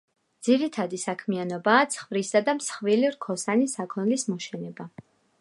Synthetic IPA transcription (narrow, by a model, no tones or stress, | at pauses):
d̪z̥iɾit̪ʰad̪isakʰmianɔbaːt̪sʰχvɾisad̪amsχviliɾkʰɔsanisakʰɔnlismɔʃɛnɛba